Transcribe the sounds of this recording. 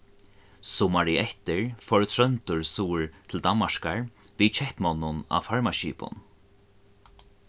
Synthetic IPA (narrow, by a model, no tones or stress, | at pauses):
sɔmaɹiɛht̪ɪɹfɔɹt̪ʰɾœnt̪ʊɹsuːɹt̪ʰɪld̪anmaʂkaɹ | vit͡ʃʰɛhpmɔnːʊna̰faɹmaʃiːpʊ̰n